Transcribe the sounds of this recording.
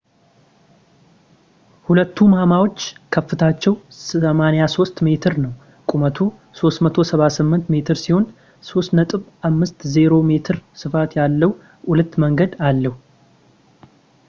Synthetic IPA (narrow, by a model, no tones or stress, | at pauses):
hulət̪ːumamawo̞t͡ʃːkʰəfːɨt̪ʰat͡ʃːɛwsəmanejaso̞st̪me̞t̪ʰɨɾnəw | kʼumət̪ʰu | so̞st̪mət̪ʰo̞səβasɨmːɨnt̪me̞t̪ʰɨɾsiho̞n | so̞st̪nət̪ʼɨβamːɨst̪zeɾo̞me̞t̪ʰɨɾsɨfat̪jalːəw | ʔulət̪ːməŋɡəd̪alːəhu